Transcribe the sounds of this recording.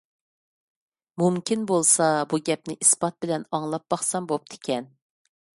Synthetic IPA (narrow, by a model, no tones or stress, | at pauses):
mumkʲʰinbolˠsɑbuɡʲɛp̚nɪʔisbɑt̪̚bɪlɛnɑŋlˠɑp̚b̥ɑχsɑmbop̚d̪ʰɪ̥kʲʰɛn